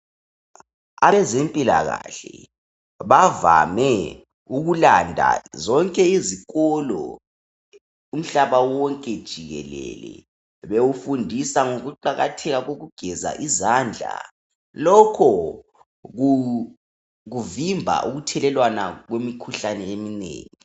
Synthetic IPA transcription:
a̰βɛzempʼila̰ɣa̰ɬɛ | βava̰mɛ | uɣulandʱa̰zɔŋkʼɛiziɣɔlɔ̰ | um̩ɬaβawɔŋkʼɛd̥ʒ̥ʱiɣɛ̰lɛ̰lɛ̰ | βewufundʱisaŋoɣuǃaɣatʰɛɣaɣoɣuɡ̥ʱɛza̰ʔizaːnd͡ɮʱa̰ | lɔkʰɔ | ɣu | ɣuvimbʱa̰ʔuɣutʰɛlɛlwana̰ɣwemikʰuɬanɛeminḛːŋi

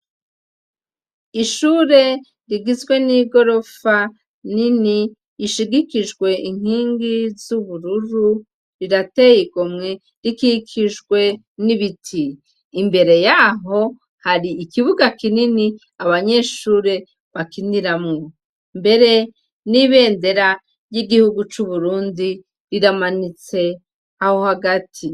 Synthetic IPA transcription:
iʃuːɾe̞ | ɾiɡizɡwe̞niɡo̞ɾo̞fa | niniː | ʃiɡikiʒɡwe̞ʔiŋ̥hiːŋɡizuβuɾuɾu | ɾiɾate̞jiɡomŋe̞ | ɾikikʰiʒɡwe̞ | niβitʰiː | mbe̞ɾe̞jaɦo̞ | haɾiːkiβuɡakinini | aβaɲe̞ʃuːɾe̞ | βakiniɾamŋo | mbe̞ɾe̞ | niβe̞ːnde̞ɾa | jiɡihuɡut͡ʃuβuɾuːndi | ɾiɾamanit͡se̞ | aho̞haɡatʰi

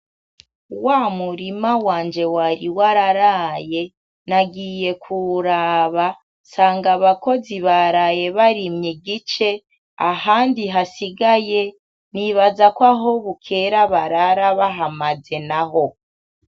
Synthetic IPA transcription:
wamuɾimawaːnd͡ʒe̞waɾiwaɾaɾaje̞ | naɡiːje̞kʰuɾaβa | saːŋɡaβako̞ziβaɾaje̞βaɾimɲiɡit͡ʃe̞ | a̰haːndiɦasiɡaje̞ | niβazakwaɦo̞βukʰe̞ɾaβaɾaɾaβaɦamaze̞naɦo̞

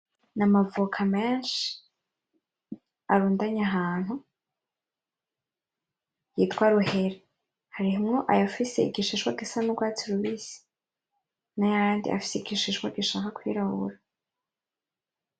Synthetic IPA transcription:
namavukʰameːnʃi̥ | aɾuːndaɲaɦaːn̥hu | jitkwaɾuhe̞ɾe | haɾihumŋoʔajafiseiɡiʃiʃkwa̰ɡisanuɡwat͡siɾuβiːsi̥ | najaaːndḭʔa̰fi̥seiɡiʃiʃwaɡiʃakakwḭɾahṵɾa

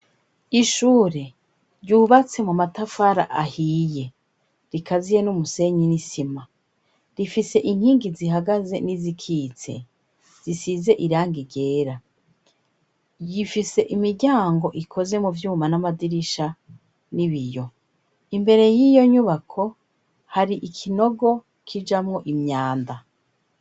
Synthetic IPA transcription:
iʃuːɾe̞ | ɾɟuːβat͡se̞mumatafaɾaʔahije̞ | ɾikʰazijenumuse̞ɲinisima | ɾifise̞ʔiŋhiːŋɡiziɦaɡaze̞nizikʰiːt͡se̞̰ | z̥isize̞ʔiɾaːŋɡiɾɟe̞ːɾa | jifise̞ʔimiɾɟaːŋɡo̞ʔikʰo̞ze̞muvjuːmanamadiɾiʃa | niβijo̞ | imbe̞ɾe̞jijo̞ɲuβakʰo̞ | haɾiʔikʰino̞ɡo̞ | kʰid͡ʒamŋo̞ʔimɲaːnda

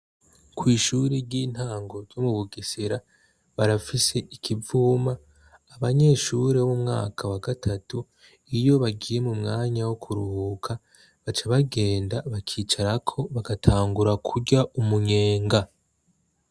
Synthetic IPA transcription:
kwiːʃuɾeɾɟiːn̥haːŋɡo̞zz̥omuβuɡisiɾa | βaɾafise̞ʔikʰivuːmaː | βaɲe̞ːʃuɾe̞wumŋa̰ːkʰawaɡatʰatu | ijo̞βaɡiːje̞mumŋaːɲawokʰuɾuhuːkʰa | βat͡ʃaβaɡe̞ːndaβakʰiːt͡ʃaɾakʰo̞βaɡatʰaːŋɡuɾakʰuɟaʔumuɲe̞ːŋɡa

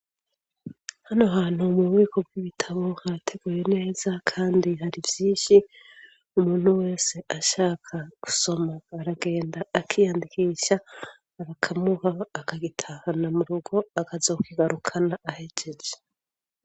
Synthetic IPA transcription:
hanoɦaːn̥humuβɣiːko̞b̚ɡiβitʰaβo̞hatʰe̞ɡ̥uːje̞ne̞ːz̥akʰaːndiɦaɾivjiːnʃi | umuːn̥uwe̞ːse̞ʔaʃaːkʰaku̥so̞maːɾaɡe̞ːndaːkʰijandikiːʃaː | ɾakʰamuhaːkaɡitʰahanamuɾuɡo̞akazokiɡaɾukʰanaʔːhe̞d͡ʒe̞d͡ʒe

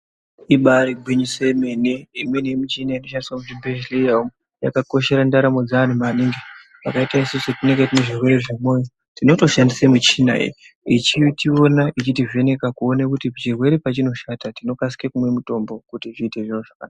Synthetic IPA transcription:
iɓaɾiɡʱwiɲisemeneimwe̞nijemit͡ʃinaino̞ʃandiswamuʐimbeʒilejam | ja̰kako̞ʃe̞ɾandaɾamod͡zaːn̤umaneŋɡe | ʋakaitaisusetine̞ŋɡetineʐirwe̞reʐimo̞jo | tino̞to̞ʃandisemit͡ʃina̰ḛ | it͡ʃitio̞naʔit͡ʃitive̞ne̞kakuo̞nekutipt͡ʃirwe̞ɾepat͡ʃino̞ʃatatino̞kasi̥kekumwe̞muto̞mbo̞kutiʐiːte̞ʐinuʐaka̰na

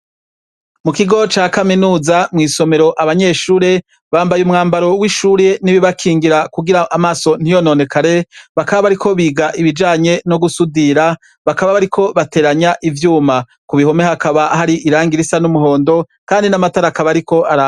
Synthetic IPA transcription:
mukiɡo̞t͡ʃaːkaminuːzamŋiːso̞me̞ɾo̞ʔaβaɲe̞ːʃuːɾe̞ | βaːmbajumŋaːmbaɾo̞wiʃuɾe̞niβiβakʰiːŋɡiɾakuɡiɾaʔamaso̞n̥ijo̞no̞ːne̞kʰaɾe̞βakaβaβaɾikʰo̞βiːɡaʔiβid͡ʒaːɲe̞no̞ɡusudiɾa | βakaβaβaɾikʰo̞βate̞ːɾaɲaʔivjuːma | kuβiho̞me̞hakaβahaɾiʔiɾaːŋɡiɾisanumuɦo̞ːndo̞ | kaːndinamataɾakaβaɾiko̞ʔaɾa

